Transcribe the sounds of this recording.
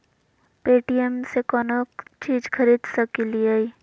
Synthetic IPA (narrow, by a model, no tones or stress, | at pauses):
peːʈijemsekɔːnokt͡ʃiːd͡ʒkʰɐɾiːd̪sɐkiliai